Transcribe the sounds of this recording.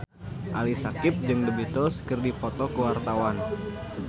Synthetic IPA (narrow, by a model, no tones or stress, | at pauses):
ʔalisakɪp̚d͡ʒɨŋdəbit̪oskɨrdipɔt̪ɔkəwart̪awan